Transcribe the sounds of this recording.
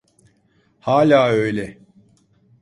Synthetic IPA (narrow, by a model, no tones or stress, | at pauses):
haːlʲaːø̞jlʲɛ